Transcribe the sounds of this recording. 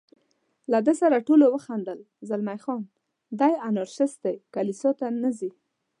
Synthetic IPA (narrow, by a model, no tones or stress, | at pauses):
lad̪əsaɾaʈolowəxand̪əl | zalmajxɔn | d̪ajanɑɾʃɪs̚d̪ajkalisɑt̪anazi